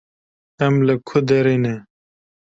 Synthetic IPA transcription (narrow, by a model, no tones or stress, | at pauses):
ɐmlɐkʰud̪eɾine